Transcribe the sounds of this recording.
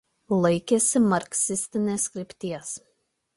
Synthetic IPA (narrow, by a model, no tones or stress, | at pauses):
lˠɐɪkʲesʲɪmɐɾʲksʲɪsʲt̪ʲɪnʲeːskɾʲɪpʲt̪ʲiɛs